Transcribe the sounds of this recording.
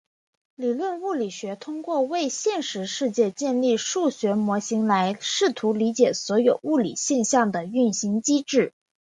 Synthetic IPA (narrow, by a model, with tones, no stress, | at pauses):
li˨˩lwə˥˧nu˥˩li˨˩ɕɥɛ˧˥t̪ʰʊ˥ŋkwɔ˥˧we˥˧ɪɕjɛ˥˩nʂɻ̩˧˥ʂɻ̩˥˧t͡ɕjɛ˥˧t͡ɕjɛ˥˧nli˥˧ʂu˥˩ɕɥɛ˧˥mwɔ˧˥ɕi˧˥ŋla˧˥ɪʂɻ̩˥˩t̪ʰu˧˥li˧˥t͡ɕjɛ˨˩swɔ˧˥jo˨˩ʊu˥˩lḭ˨˩ɕjɛ˥˧nɕjɑ˥˩ŋd̪ə˩y˥˩nɕi˧˥ŋt͡ɕi˥ʈ͡ʂɻ̩˥˩